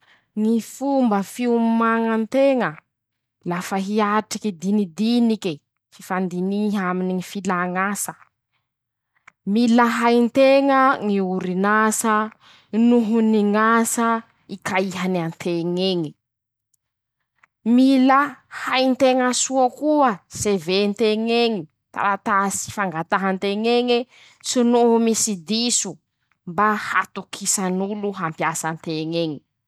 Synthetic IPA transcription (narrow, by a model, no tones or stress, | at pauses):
ŋifumbəfiummaŋant̪eŋə | lafəɦiaʈ͡ʂikid̪inid̪iniki | fifand̪iniɦaminiŋifilaŋasə | miləɦajnt̪eŋəŋiuɾinasə | nuɦuniŋasa | ikaiɦanant̪ʰeŋeŋi | milahajnt̪eŋəsuəkuəsevent̪eŋeŋi | t̪a̰ɾat̪asi̥faŋɡat̪aɦant̪eŋeŋi | sunuumisid̪isu | mbaha̰t̪ukʰisanuluɦampjasant̪eŋeŋi